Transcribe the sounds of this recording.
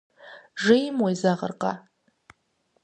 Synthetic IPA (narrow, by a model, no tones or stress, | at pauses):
ʐɪjmwajzaʁə̰rqʼa̰